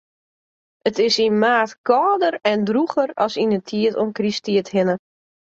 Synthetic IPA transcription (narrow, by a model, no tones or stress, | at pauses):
ətɪsinmaːtkɔːdəɾɛndruxəɾɔ̰sinətʰiətonkristiəthɪnə